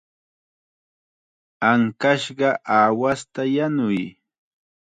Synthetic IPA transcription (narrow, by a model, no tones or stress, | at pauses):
aŋkaʃɢɑʔaːwast̪ajanʊj